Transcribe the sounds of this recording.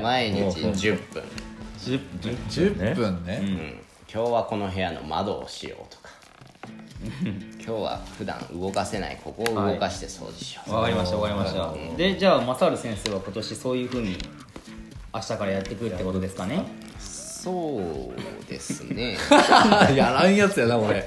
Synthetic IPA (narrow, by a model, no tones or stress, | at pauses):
maiɲit͡ɕid͡ʑɨpːɯ̰̃ɴ | pɯ̟̃nːeɯ̰̃ː | kʲo̞ːβako̞no̞ɦe̞jano̞̰ma̰d̪o̞ːɕḭjo̞̰ːt̪o̥kḁ | kʲʰo̞ːβa̰ɸɯ̟d̪ã̰ŋɯ̟ɡo̞kase̞na̰ḭkʰo̞ko̞ːɯ̟ɡo̞kaɕi̥t̪e̞so̞̰ːd̪eɕo̥βakaɾʲimaɕit̪aβakaɾʲimaɕt̪aɯ̰̃d̪e̞d͡ʑaːmasaːɾɯ̟sẽɰ̃seːβ̞ako̞t̪o̞ɕiso̞ːjɯ̟ːɸɯ̟ːɲ̟i | aɕi̥t̪akaɾajat̪ːe̞kɯɾɯt̪ːeko̞t̪o̞d̪e̞sɨ̥kane̞ | soː | d̪̥e̞̰sɨne̞ | jaɾaĩjat͡sɨjonakoɾe